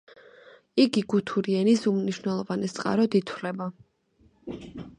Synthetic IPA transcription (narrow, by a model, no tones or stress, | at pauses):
iɡiɡut̪ʰuɾiɛnisumniʃwnɛlˠɔvanɛt̪sʼqʼa̰ɾɔd̪it̪ʰwlɛba